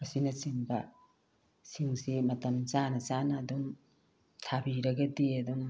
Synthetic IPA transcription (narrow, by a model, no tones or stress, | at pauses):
ɐsinɐt͡ʃiŋbɐ | siŋsimɐtɐmt͡ʃanɐt͡ʃanɐːdum | tʰabiɾɐɡɐdiɐdum